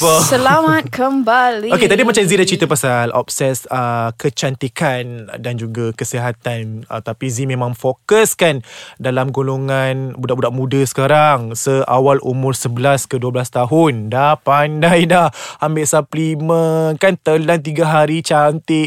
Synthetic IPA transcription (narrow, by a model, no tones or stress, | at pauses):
əsəlamat̪̚kəmbalioket̪adimãt͡ʃamzidaht͡ʃɾit̪apasalʔɔ̰p̚sɛsəkət͡ʃant̪ikandand͡ʒuɡakəsiɦat̪an̰t̪apizimẽmãŋfokəskandalamɡoloŋanbudaʔbudaʔmũdasə̥kaɾaŋsəʔawalumʊrsəbəlaskəduəbəlast̪aɦʊndahpandajdahambɪʔsaplimənkant̪əlant̪̬iɡaɦaɾit͡ʃant̪ɪʔ